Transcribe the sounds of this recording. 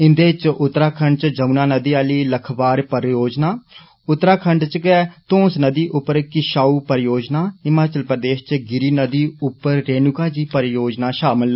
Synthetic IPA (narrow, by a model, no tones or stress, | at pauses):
ɪ̃nd̪eːt͡ʃʔʊt̪ːɾaːkʰəɳɖt͡ʃd͡ʒəunaːnəd̪iːaːliːləkʰbaːɾpəɾjoːd͡ʒnaː | ʊt̪ːɾaːkʰəɳɖt͡ʃkɛt̪õːsnəd̪iːʔʊpːəɾkɪʃaːuːpəɾjoːd͡ʒnaːɪmaːt͡ʃəlpɾəd̪eːʃt͡ʃɡɪɾiːnəd̪iːʊpːəɾːeːnʊkaːd͡ʒiːpəɾjoːd͡ʒnaːʃaːmɪl